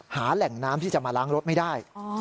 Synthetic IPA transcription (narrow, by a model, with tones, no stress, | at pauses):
haː˩˦lɛ˨˩ŋnaː˦˥mt̪ʰiː˥˩t͡ɕa˨˩maː˧laː˦˥ŋɾo˦˥t̪̚ma˥˩jdaː˥˩j